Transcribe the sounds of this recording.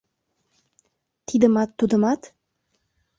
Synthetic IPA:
t̪id̪ə̆mɑt̪ːud̪ə̆mɑt̪

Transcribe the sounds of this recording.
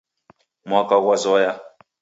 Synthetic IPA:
makawʷazɔja

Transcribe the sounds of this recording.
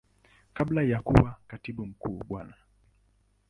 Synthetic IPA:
kaɓlajakuwakatiɓum̩kuːɓwana

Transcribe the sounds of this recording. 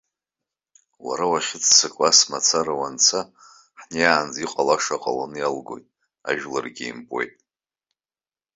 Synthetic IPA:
wa̰ɾawaχʲɪt͡sʰʼsakʼlasmat͡sʰaɾawant͡sʰa | ħnejaːnd͡ziqʼalaʂaqʼalanɨjalɡo̞jtʼ | a̰ʒᶣla̰rɡʲijmpʼo̞jtʼ

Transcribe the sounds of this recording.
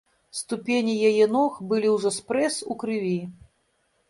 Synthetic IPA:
st̪upʲenʲijajɛnɔxbɨlʲiwʐɔspɾɛsukɾɨvʲi

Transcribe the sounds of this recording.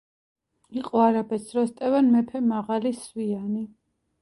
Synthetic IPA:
iqʼɔaɾabɛsɾɔst̪ʼɛvanmɛpʰɛmaʁaliswiani

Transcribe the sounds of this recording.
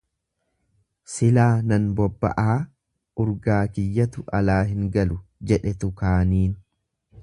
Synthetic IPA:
sɪlaːnɐnbɔbːɐ̰ʔaː | ʊɾɡaːkɪjːɐt̪ʊʔɐlaːɦɪŋɡɐlʊd͡ʒɛᶑɛt̪ʊkaːniːn

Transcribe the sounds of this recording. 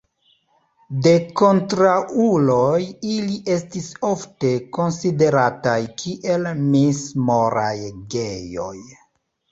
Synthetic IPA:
de̞ko̞ntɾaʔulojiliʔe̞stisofte̞ko̞nside̞ɾatajkʰiʔe̞lmismoɾajɡejo̞̰j

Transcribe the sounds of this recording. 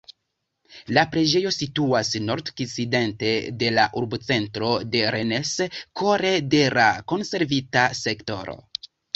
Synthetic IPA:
lapɾe̞d͡ʒe̞jo̞situasno̞ɾdkiside̞nte̞de̞laʔuɾbot͡se̞ntɾo̞de̞ɾe̞ne̞sko̞ɾe̞de̞lako̞nse̞ɾvitase̞kto̞ɾo̞̰

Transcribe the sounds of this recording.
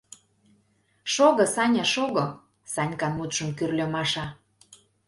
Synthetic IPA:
ʃoɣɤ̆sɑnʲɑʃoɣɤ̆ | sɑnʲkɑnmut̪ʃə̆mkyrlʲø̆mɑʃɑ

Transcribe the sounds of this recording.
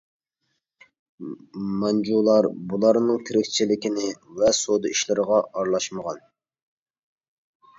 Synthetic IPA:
mɑnd͡ʒulˠɑɾbulˠɑɾnɨŋt̪ʰeɾɪkʲt͡ʃʰilɪkʲinɪvɛsod̪ɨiʃlɪɾəʁɑɑɾlˠɑʃməʁɑn

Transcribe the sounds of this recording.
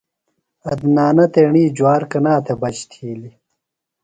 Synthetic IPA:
ɐd̪naːnɐt̪eːɳiːd͡ʑwaːɾkɐnaːt̪ʰebɐt͡ɕt̪ʰiːli

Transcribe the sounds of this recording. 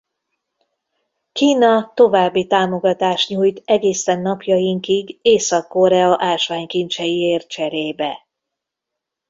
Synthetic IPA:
kiːnɒt̪o̞vaːbːit̪aːmo̞ɡɒt̪aːʃɲuːjt̪ɛɡeːsɛnːɒpjɒjiŋkiɡeːsɒkːo̞ɾɛɒʔaːlʃʋaːɲkint͡ʃɛjieːr̚t͡ʃɛɾeːbɛ

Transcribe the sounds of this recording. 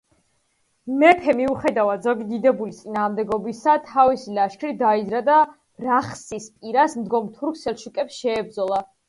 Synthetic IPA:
mɛpʰɛmiuχɛd̪avad̪zɔɡid̪id̪ɛbulit̪sʼinaːʁmd̪ɛɡɔbisat̪ʰavisilaʃkʰɾid̪aid̪zɾad̪a | ɾaχsispʼiɾasmd̪ɡɔmt̪ʰuɾkʰsɛlˠʃukʼɛpsʃɛːb̚d̪zɔlˠa

